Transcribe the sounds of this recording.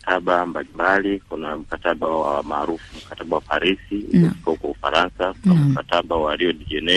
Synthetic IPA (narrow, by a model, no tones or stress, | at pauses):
taɓambalimbalikunam̩kataɓawamaːɾufum̩kataɓawapaɾisiṵlɛfi̥kaukwaufa̰ɾansakunamkataɓawaliɔɗiʄɛnɛ